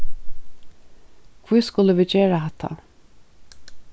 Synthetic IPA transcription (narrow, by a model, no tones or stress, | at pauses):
kʰvujskʊləʋiːd͡ʒeːɹaɦɛt̪ʰːa̰